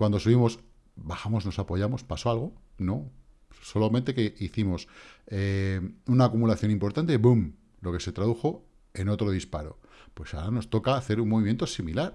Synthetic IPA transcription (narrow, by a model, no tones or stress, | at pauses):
kwand̪o̞suβimo̞s | baxamo̞zno̞sapo̞ʝamo̞spaso̞alɣ̞o̞no̞ | so̞lamẽnt̪e̞keiθimo̞seunaːkumulaθjo̞nĩmpo̞ɾt̪ant̪ebum | lo̞kese̞t̪ɾaðuxo̞ | e̞no̞t̪ɾo̞ð̞ispaɾo̞̰ | pwe̞saoɾano̞st̪o̞kaːθe̞ɾuŋmoβimje̞nt̪o̞similaɾ